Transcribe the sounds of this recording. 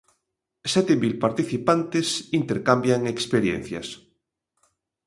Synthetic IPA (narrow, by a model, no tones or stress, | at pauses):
sɛt̪emilpaɾt̪iθipant̪esint̪eɾkambjaŋekspeɾjḛn̟θja̰s